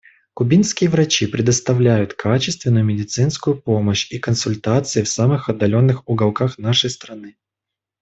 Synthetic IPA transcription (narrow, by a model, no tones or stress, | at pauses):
kʊbʲinskʲɪjəvɾɐt͡ɕipɾʲɪd̪əst̪ɐvlʲæjʊt̪kʰat͡ɕɪst̪vʲɪnːʊjʊmʲɪdʲɪt̪sɨnskʊjʊpo̞məɕikənsʊlʲt̪at̪sɨɪfsamɨxɐd̪ːɐlʲo̞nːɨxʊɡɐlˠkaxnaʂəjst̪ɾɐnɨ